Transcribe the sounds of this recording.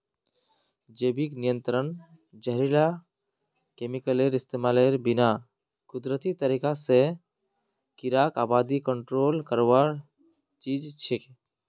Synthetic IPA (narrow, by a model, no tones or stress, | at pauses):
d͡ʒeːbiknijə̃nt̪ɾən | d͡ʒəɦɾila | kemikəleɾɪst̪emaːleɾbina | kʊd̪ɾət̪it̪əɾikase | kiɾakaːbaːd̪ikəɳʈɾoːlkəɾwaɾ | t͡ʃiːd͡ʒt͡ʃʰek